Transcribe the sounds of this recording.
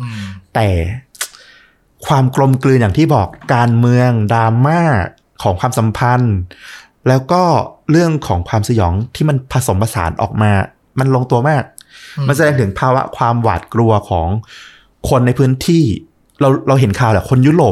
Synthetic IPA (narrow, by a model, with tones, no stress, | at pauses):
t̪ɛː˨˩ | kʰwaː˧mklo˧mklɯː˧njaː˨˩ŋt̪ʰiː˥˩bɔː˨˩kːaː˧nmɯ˧əŋdaː˧maː˥˩ | kʰɔː˩˦ŋkʰwaː˧msa˩˦mpʰa˧n | lɛː˦˥wkɔː˥˩ɾɯ˥˩əŋkʰɔː˩˦ŋkʰwaː˧msa˧jɔː˩˦ŋt̪ʰiː˥˩ma˧npʰa˧so˩˦mpʰa˧sa̰ː˩˦nʔɔ̰ː˨˩k̚maː˧ | ma˧nlo˧ŋt̪u˧ɐmaː˥˩k̚ma˧ns̬a˧dɛː˧ŋt̪ʰɯ˩˦ŋpʰaː˧wa̰˦˥ʔkʰwaː˧mwa̰ː˨˩t̪̚klu˧ɐkʰɔː˩˦ŋ | kʰo˧nːa˧jpʰɯː˦˥nt̪ʰiː˥˩ | ɾa˧wɾa˧wɦe˩˦nkʰaː˨˩wlɛ˨˩kʰo˧nju˦˥ɾoː˨˩